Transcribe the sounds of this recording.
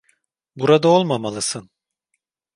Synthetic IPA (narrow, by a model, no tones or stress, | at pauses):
buɾad̪ao̞lˠmamalˠɯsɯn